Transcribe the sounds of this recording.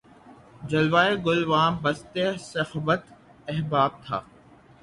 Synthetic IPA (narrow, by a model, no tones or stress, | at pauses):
d͡ʒɐlʋaːeɡʊlʋaːmbɐst̪esɐhʋət̪ | ɛɦbaːb̚t̪ʰa̰ː